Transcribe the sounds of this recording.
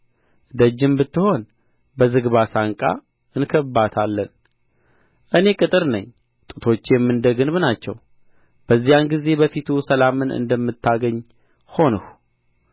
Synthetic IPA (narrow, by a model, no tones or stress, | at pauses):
d̪əd͡ʒːɨmbɨt̪ːɨho̞n | bəzɨɡβasaŋkʼa̰ | ɨnkʰəbːat̪ʰalːən | ʔɨne̞kʼɨt̪ʼɨɾnəɲː | t̪ʼɨt̪ʰo̞t͡ʃːjɛmːɨnd̪əɡɨnβnat͡ʃːɛ̰w | b̥əzːijanɡize̞bəfit̪ʰusəlamɨnɨ̰nd̪əmːɨt̪ːaɡəɲː | ho̞nɨhu